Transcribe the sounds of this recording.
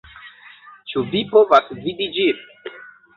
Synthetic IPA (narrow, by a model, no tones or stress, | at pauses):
t͡ʃuvipovasvidid͡ʒiɾ